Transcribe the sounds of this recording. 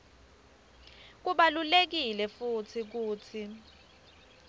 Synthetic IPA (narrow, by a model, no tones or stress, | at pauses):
k̬uɓalulek̬ilɛfut͡sʰik̬uːt͡sʰi